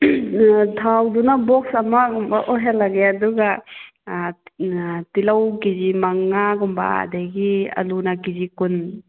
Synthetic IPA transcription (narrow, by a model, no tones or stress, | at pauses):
tʰawdunabɔksɐmaɡɔmbaʔɔɦelaɡeaduɡa | tilawkizimaŋːaɡɔmba̰a̰dajɡiɐ̰lunakizikun